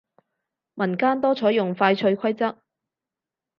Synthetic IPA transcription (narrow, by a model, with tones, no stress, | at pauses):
mɐ˨˩nkaː˥nt̪ɔː˥t͡sʰɔː˨˥jʊ˨˩ŋfaː˧jt͡ʃʰɵ˧ɥkʷʰɐ˥jt͡sɐ˥k̚